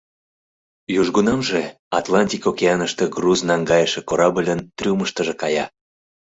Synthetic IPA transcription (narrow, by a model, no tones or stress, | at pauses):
juʒɣunɑmʒe | ɑt̪lɑnʲtʲikokeɑnəʃt̪eɡruznɑŋɡɑjəʃekoɾɑbəlʲənt̪rʲuməʃt̪əʒĕkɑjɑ̰